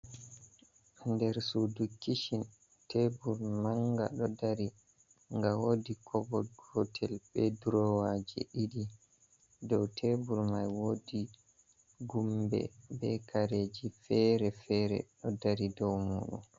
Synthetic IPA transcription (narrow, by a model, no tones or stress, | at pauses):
ndɛɾsudukːiʃin | tebuɾmaŋɡa̰ɗɔdaɾi | ŋɡawoːdikʰɔbɔɡɔtʰɛlbɛduɾɔwad͡ʒɛ̰ʔiɗi | dɔwtʰebuɾmajwodi | ɡumbɛ̰bɛkʰaɾed͡ʒifɛɾɛfɛɾɛ̰ɗɔdaɾidɔwmṵːɗṵm